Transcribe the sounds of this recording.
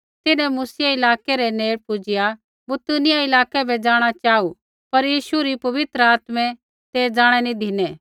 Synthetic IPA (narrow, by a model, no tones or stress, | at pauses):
t̪ɪnɛ̃musɪjaɪlaːkɛɾɛneːɽpʊd͡ʒɪja | bʊt̪unɪjaɪlaːkɛbʱɛd͡ʒaːɽ̃at͡ʃaːu | pɐɾjiːʃuɾipɐʋɪt̪ɾəaːt̪mɛ̃ | t̪eːd͡ʒaːɽ̃ɛnĩd̪ʱɪnɛː